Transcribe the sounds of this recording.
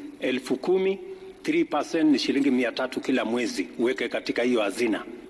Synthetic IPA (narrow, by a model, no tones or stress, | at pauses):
ɛlfukumi | θɾipasɛntniʃiliŋɡimiatatukilamwɛziuwɛkɛkatikahijɔhazina̰